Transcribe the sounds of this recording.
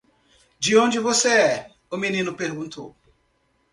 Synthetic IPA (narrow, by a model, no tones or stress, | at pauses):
d͡ʒɪõnd͡ʒɪvoseɛ | ʊminĩnʊpeɾɡũnt̪ʰo